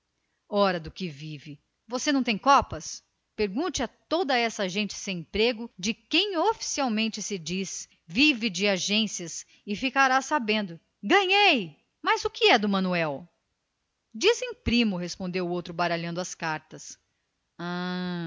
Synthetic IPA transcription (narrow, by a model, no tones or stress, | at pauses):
ɔɾɐd̪ʊkɪvivɪ | vosenɐ̃w̃t̪ẽj̃kɔpɐs | peɾɡũnt͡ʃɪat̪od̪ɐɛsɐʒẽnt͡ʃɪ̥sẽj̃ẽpɾeɡʊd͡ʒɪkẽj̃ofi̥siawmẽnt͡ʃɪsɪd͡ʒis | vivɪd͡ʒɪaʒẽsiɐs | ɪfikaɾasabẽnd̪ʊ | ɡɐ̃ɲej | mɐzʊkɪɛd̪ʊmɐ̃nuɛw | d͡ʒizẽj̃pɾĩmʊɦespõnd̪ewʊowt̪ɾʊbaɾaʎɐ̃nd̪ʊɐskaɾt̪ɐs | ã